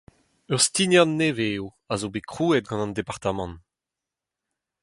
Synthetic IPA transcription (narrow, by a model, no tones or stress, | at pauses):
œʁst̪injɑ̃nːeveːu | azobekχuːɛt̪̚ɡɑ̃nɑ̃nd̪epaʁt̪amɑ̃n